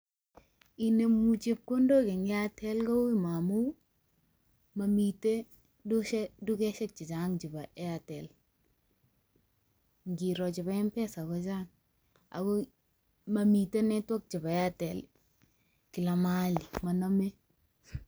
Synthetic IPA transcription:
i˨ne˨mu˨t͡ʃe˦p̚ko˦ndo˦kɛ˨ŋɡɪ˦a˦tʰɛ˦lkɔ˦wi˦ma˨mu˦ | ma˨mi˨te˦ | du˦ʃɛ˦du˦kɛ˦ʃɛ˦k̚t͡ʃɪ˨t͡ʃaŋt͡ʃɪ˨ba˨ʔɛ˦atɛ˨l | ŋɡi˨ɾɔ˨t͡ʃɪ˨ba˦ɛ˦mpɛ˦sa˨kɔ˦t͡ʃa˦ŋ | a̰˨kɔ˦ | ma˨mi˨te˦nɛ˦twɔ˦k̚t͡ʃɪ˨ba˨ɛa˦tɛ˨l | ki˨la˨ma˦li˨ma˨na˦me˦

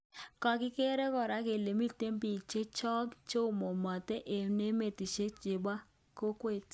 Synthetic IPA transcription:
kɔ˨kɪ˦ke˦ɾe˦kɔ˨ɾa˦ke˨le˨mi˦te˦mpi˨t͡ʃe˦t͡ʃɔ˦kt͡ʃo˦˨mo˨mɔ˨tɛ˦ʔe˨ne˦me˨ti˨t͡ʃe˦t͡ʃɪ˨ba˦ | ko˦kwe˦˨t

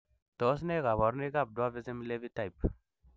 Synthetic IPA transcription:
to˨˦s̬ne˦ɡa˨βɔ˨ɾni˦ɡa˦˨b̚du˦a˦vi˦ze˦m˦le˦vi˦ta˦˨jp̚

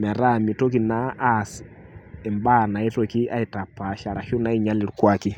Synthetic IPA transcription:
mɛ˨ɾa˦˨mi˨to˦k̬i˨naː˦s | e˨mba˦˨na˨i˦to˨ki˦ʔa̰˦i˨ta˨pːa˨ʃa˨ɾa˨ʃu˦na˦i˨ɲa˦le˨ɾukwa˨ki˦

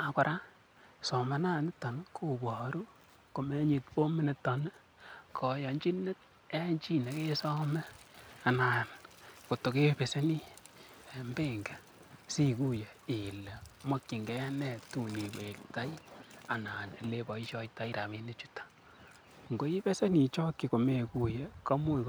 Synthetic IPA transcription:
a˨ka˨ɾʔa˦ | sɔ˨ma˨˦na˦˨nɪ˦tːa˨n˦kʰo˦˨bɔ˨ɾu˦ | ko˨me˦ɲi˨tpo˦mɪ˦ne˨tːɔ˨n˦ | kʰɔ˨jɔ˨ɲd͡ʒi˦ne˦t | e˦ɲt͡ʃi˦ne˨ke˦sɔ˦mɛ˦a˨na˨nko˨to˨ke˦pe˨se˦ni˦ | mbe˦ŋɡɛ˨ | si˦ku˦je˨i˨lɛ˨mo˦kːi˨ŋɡɛ˦nɛ˦˨tu˦˨ni˨we˨kta˦i˦a˨na˨nḛ˨le˦bɔ˨i˦ʃɔ˦ita˦i˦ɾa˨me˦ne˦t͡ʃu˦tḁ | ŋɡo˦i˦pe˦se˦ni˨t͡ʃɔ˦kːi˨ko˨me˨ku˨jɛ˨kɔ˦mu˦

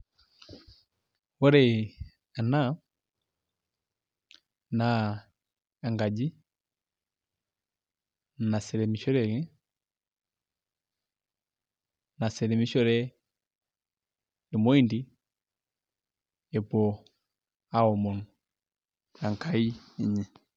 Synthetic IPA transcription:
wɔ˦ɾɛ˨ | a˨na˦ | na˨ | a˨ŋɡa˨d͡ʒi˦ | na˨sɛ˨ɾɛ˨mi˨ʃɔ˦ɾɛ˨kɛ˦ | na˨sɛ˨ɾɛ˨mi˦ʃɔ˦ɾɛ˦ | ɛ˨mɔ˦i˦ndi˦ | ɛ˨bɔ˨ | a˦ɔ˨mɔ˨n | a˨ŋka˦i˦ | ɛ˨ɲɛ˨

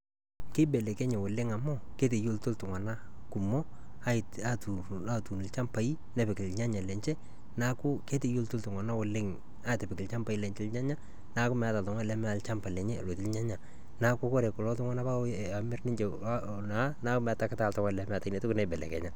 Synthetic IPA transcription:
kɪ˦bɛ˨lɛ˨kɛ˦ɲɛ˨wʊ˨lɪ˦ŋa˨mɔ˦ke˦te˨jo˦ltʊ˦ltʊ˨ŋwa˨na˦kʊ˨mɔ˦ | a˦ɪ˨ta˦tu˨ | a˦tu˨nɪ˨lt͡ʃa˦mpa˨˦i˦ | nɛ˨pɪ˨kɪ˨lɲa˦ɲa˨lɛ˨ɲt͡ʃɛ˦ | na˦kʊ˦ke˦te˨jo˦ltʊ˦ltʊ˨ŋa˨na˦wʊ˨lɪ˦ŋ | a˦˨tɛ˨pɪ˨kɪ˨lt͡ʃa˦mpa˦i˦lɛ˨ɲt͡ʃɪ˦lɲa˦ɲa˦ | na˦kʊ˦mɛ˨a˦ta˨ltɔ˨ŋwa˦˨lɛ˨˦mɛ˦a˨lt͡ʃa˦mpa˨lɛ˨ɲɛ˦˨lwo˨tɪ˦lɲa˦ɲa˨ | na˨˦kʊ˦ko˦ɾɛ˨kʊ˨lɔ˦tʊ˦ŋa˦na˦pa˦ | a˨mɪ˦rnɪ˦ɲt͡ʃe˨ | na˨˦na˦kʊ˦mɛ˨a˦ta˨kɪ˦ta˦˨ltɔ˦ŋa˦˨lɛ˨˦mɛ˦a˨ta˨ine˨tʊ˦kʊ˦nɛ˦bɛ˨lɛ̰˨kɛ̰˨ɲa˦

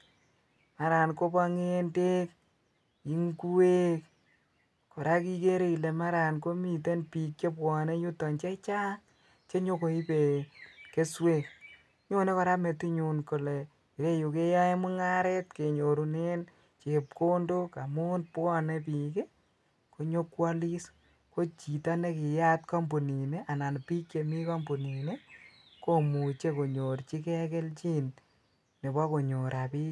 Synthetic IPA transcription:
ma˨ɾa˨nko˦pa˧ŋe˦nde˦k̚ | i˦ŋku˦we˦k | kɔ˨ɾa˦ki˦ke˦ɾe˦˨i˨le˨ma˦ɾa˨nko˦mi˨t̬e˦npi˨k̚t͡ʃe˦pwɔ˨ne˦ɲu˦tɔ˨nt͡ʃe˦t͡ʃa˦ŋ | t͡ʃe˦ɲo˦ko˨i˦pe˨ke˦swe˦˨k | ɲo˦ne˦kɔ˨ɾa˦me˨ti˦ɲu˨nko˨le˨ | i˨ɾe˦ju˨ke˦ja˦e˦mu˦ŋa˦ɾɛ˦tke˨ɲo˨ɾu˨ne˦n | t͡ʃe˨p̚ko˦ndo˦ka˨mu˦npɔ˦ne˦p̬i˨ke˦ | ko˨ɲo˦kwa˦li˦s | ko˦t͡ʃi˨ta˦ne˦ki˨ja˦tkɔ˦mbu˨ni˨ne˦ʔa˨na˨npi˦kje˨mi˦kɔ˦mbu˨ni˨ne˦ | ko˦mu˨t͡ʃe˦ko˨ɲo˨ɾt͡ʃi˦kɛ˦ke˦lt͡ʃi˦n | ne˨bɔ˦ko˨ɲo˨ɾʔa˨pi˦

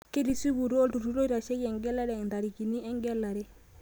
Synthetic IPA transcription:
ke˦ɾi˨si˦bu˨ɾo˦ltu˨ɾu˦ɾo˦i˦ɾa˨ʃɛ˦jɛ˨ŋɡɛ˦la˦ɾɛ˨nda˨ɾi˨ki˨ni˦ɛ˦ŋɡɛ˦la˨ɾɛ˦

